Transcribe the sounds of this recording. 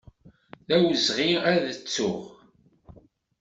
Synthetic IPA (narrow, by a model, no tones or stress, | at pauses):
ðæwəzʁiæðət͡sːʊ̰ʁ